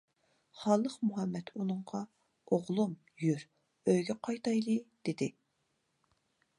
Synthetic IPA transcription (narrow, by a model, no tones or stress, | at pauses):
χɑlˠəχmuɦɛmːɛt̪unɨŋɴʁɑ | oʁlˠum | jyɾ | øjɡʲɛqʰɑjt̪ɑjlˠɨd̪̥ɪd̪ɪ